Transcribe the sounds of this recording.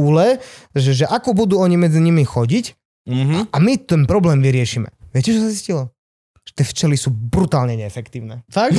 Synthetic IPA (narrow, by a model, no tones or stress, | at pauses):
ulɛʒɛʒɛʔakɔbud̪uːɔɲimɛd͡ziɲimixɔɟic̩ | ɦamit̪ɛnpɾɔblɛːmʋiɾɪɛʃiːmɛ̰ʋɪɛcɛt͡ʃɔsaziscilɔ | ʒ̥ɛ̥t̪jɛft͡ʃɛlisuːbɾut̪aːlɲɛɲɛɛfɛkt̪iːʊnɛ̰ːt̪ak